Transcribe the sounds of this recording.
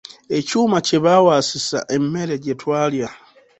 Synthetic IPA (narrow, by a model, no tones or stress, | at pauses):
e̞cuːmaceβawaːsisa̰ʔemːe̞ɾe̞ɟetwaːlja